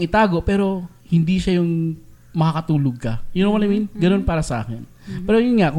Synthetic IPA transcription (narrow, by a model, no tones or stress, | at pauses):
ŋɪt̪aːɡo̞ʔpɛːɾo̞ | hɪnd̪iʃajʊŋ | mɐkɐkɐt̪uːloɡ̚kɐjʊnɐmɐnɐminɡɐno̞npaːɾɐsɐʔa̰ːkɛn | pɛːɾojʊnŋaʔkʊ